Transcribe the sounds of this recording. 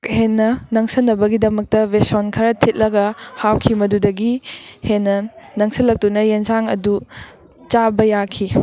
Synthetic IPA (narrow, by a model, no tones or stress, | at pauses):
henːɐnɐŋsɐnːɐbɐɡidɐmɐk̚tɐvesonkʰɐɾɐtʰit̚lɐɡɐhawkʰimɐdudɐɡihenːɐnɐŋsɐlːɐk̚tunɐjenzaŋɐ̰du | t͡ʃabɐjakʰi